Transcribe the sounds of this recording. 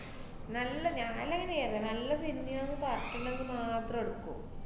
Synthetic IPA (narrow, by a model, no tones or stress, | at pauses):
nɐlːɐɲaːlɐŋːɐneeːrɐɐnɐlːɐsinːijɐonːɨpaːrtːɐɳːenːɨmaːt̪rɐmeɽukːṵ